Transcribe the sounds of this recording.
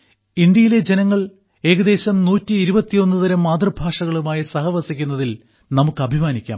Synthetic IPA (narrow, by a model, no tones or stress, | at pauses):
ind̪jɐjile̞d͡ʑe̞nɐŋːɐɭ | e̞ːɣɐd̪e̞ːɕɐmnuːtːiːɾubɐt̪ːijo̞nːɨðɐɾɐmːaːd̪rɐbʱaːʂɐɣɐɭumaːjɐsɐɦɐʋɐsikʲːunːɐðil | nɐmukːɨɐbʱimaːnikʲːa̰ːm